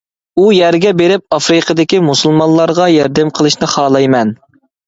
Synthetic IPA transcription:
ujæɾɡʲɛbeɾɪp̚ɑfɾɨqʰəd̪ɪkʲimusulˠmɑnlˠːɑɾʁɑjɛɾd̪ɛmqʰəlˠɨʃnɪχɑːlˠɑjmɛn

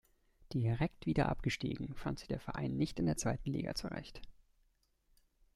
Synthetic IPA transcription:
d̥iʁɛktv̥iːdɐ̰ʔa̰pɡ̥əʃtḭːɡŋ̩fantz̥ɪçd̥eːɐfɛɐʔa̰ɪnːɪçtɪndeːɐt͡sv̥aɪtn̩lḭːɡa̰t͡suʁɛ̰çt

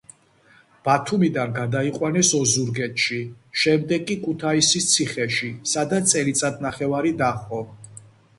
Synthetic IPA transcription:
b̥at̪ʰumid̪anɡad̪aiqʼwanɛsɔzuɾɡɛt̪ʃiʃɛmd̪ɛɡkʼːikʰʼut̪ʰaisist̪sʰiχɛʃisad̪asʼɛlit̪sʼad̪̚naχɛvaɾid̪aχɔ

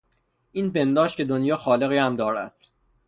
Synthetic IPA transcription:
ʔiːnpe̞nd̪ɒːʃkʲce̞d̪onjɒːxɒːle̞ɣiːhæmd̪ɒːɾæ̰d̪̥

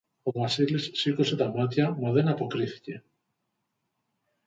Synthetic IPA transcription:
omasilisːikoset̪amat̪jamaðenapokɾiθi̥ce

